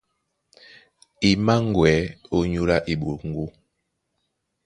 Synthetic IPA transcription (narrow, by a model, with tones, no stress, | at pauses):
i˨ma˦ŋ˦˨ɡwɛ˨˦o˦ɲu˦la˦ʔi˨ɓo˨lŋ̩˨ɡu˦